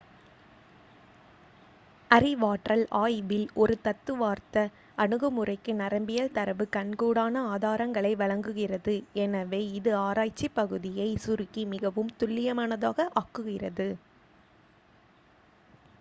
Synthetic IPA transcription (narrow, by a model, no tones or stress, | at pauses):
ɐrɪʋaːʈrɐlaːjʋɪlɔɾɯt̪ɐt̪ːɯʋaːɾt̪ɐ | ɐɳɯɣɐmɯrɐɪkːɯnɐɾɐmbɪjɐlt̪ɐɾɐʋɯkɐɳkuːɽaːnɐaːðaːɾɐŋɡɐɭɐɪʋɐɭɐŋɡɯɣɪrɐðɯɛnɐʋeːɪðɯaːɾaːjt͡ʃːipːɐɣɯðɪjɐɪsʊɾɯkːimɪɣɐʋɯmt̪ʊɭːɪjɐmaːnɐðaːɣɐʔaːkːɯɣɪrɐðɯ